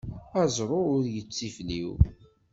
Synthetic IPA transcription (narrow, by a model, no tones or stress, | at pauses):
æzˤɾˤʊʊɾjət͡sːifliw